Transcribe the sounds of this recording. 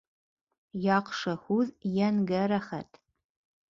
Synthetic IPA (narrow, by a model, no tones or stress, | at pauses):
jaːqʂɐxʷuzjɛnɡɐɾɐχɐ̰tʰ